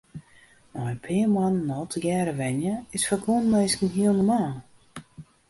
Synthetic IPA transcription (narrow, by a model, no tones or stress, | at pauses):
majpʰɪːmannːɔltʰəjɛːɾəʋɛnjəɪsfəkunmejskən̩ɦiənəmaː